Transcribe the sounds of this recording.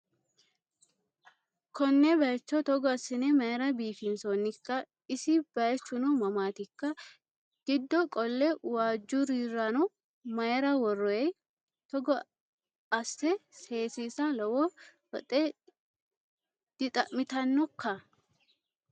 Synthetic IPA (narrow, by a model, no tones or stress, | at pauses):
kɔnːɛbɐjɛt͡ʃːɔt̪ɔɡɔɐsːɪnemɐjɛɾɐbiːfɪnsonːɪkːɐ | ɪsɪb̥ɐjɛt͡ʃːʊnumɐmaːt̪ɪkːɐ | ɡ̥ɪd̪ːɔkʼɔlːɛwaːd͡ʒːuɾiːrːɐnʊ | mɐjɛɾɐwɔrːɔɛ | t̪ɔɡɔ | ɐsːɛse̞ːsiːsɐlɐwɔ | ɔt̪ʼe | d̪̥ɪt̪ʼɐʔmɪt̪ɐnːɔkːɐ